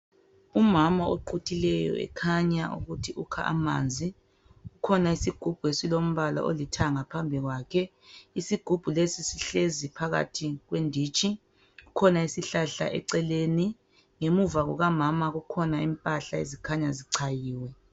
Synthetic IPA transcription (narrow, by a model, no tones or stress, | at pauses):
umamaoǃʰutʰilɛjɔ̰ɛ̰kʰaɲaṵɣutʰiʔukʰa̰ʔa̰ma̰ːnd͡zʱi | ukʰɔnaisiɡ̥ʱub̥ʱuesilom̩βala̰ʔo̰litʰaŋapʰambʱiɣwakʰɛ | isiɡ̥ʱub̥ʱulesisiɬezipʰaɣa̰tʰiɣwendʱiːt͡ʃʼi | ukʰɔnaisiɬaɬa̰ʔɛ̰ǀɛleːni | ŋemuvaɣɔɣamamaɣukʰɔnaimpʼaɬaḛzikʰaɲaziǀʰajiːwɛ